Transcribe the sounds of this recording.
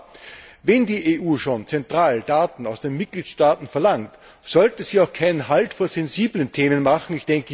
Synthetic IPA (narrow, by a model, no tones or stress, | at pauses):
vɛndiːʔeʔuːʃoːnt͡sɛntʁ̥aːlədaːtn̩aʊsd̥eːnmɪt̚ɡ̥liːtʃtaːtn̩fɛɐlaŋkt | z̥ɔltəz̥iːaʊxkʰaɪnənɦaltfoːɐz̥ɛnziːbləntʰeːmənmaχŋ̩ɪçd̥ɛŋkə